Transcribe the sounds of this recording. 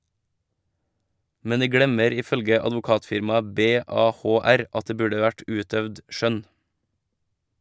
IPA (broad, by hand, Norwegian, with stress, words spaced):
ˈmɛn ˈdiː ˈɡɽɛməɾ ˈiː ˈfœlɡə ɑdʋʊˈkɑːtfɪɾmɑə ˌbeːˌɑːˌhoːˈæɾ ˈɑt ˈdeː ˈbʉːɖə ˈʋæʈ ˈʔʉːtœʋd ˈʃœn